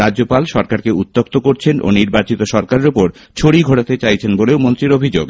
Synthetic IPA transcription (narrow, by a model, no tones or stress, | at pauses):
aopalʃɔɾkaɾkeut̪ːok̚t̪okoɾt͡ɕʰenʔo̰niɾbat͡ɕit̪oʃɔɾkaɾeɾupoɾ | t͡ɕʰoɽiɡʱoɽat̪et͡ɕajt͡ɕʰenboleomont̪ɾiɾobʱid͡ʑo̰ɡ